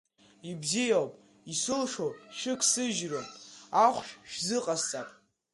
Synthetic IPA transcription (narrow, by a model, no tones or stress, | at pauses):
ibzijawpʼ | isɨlʂowʃɨkʰsɨʒroaχʷʃᶣʃᶣzɨqʼast͡sʼapʼ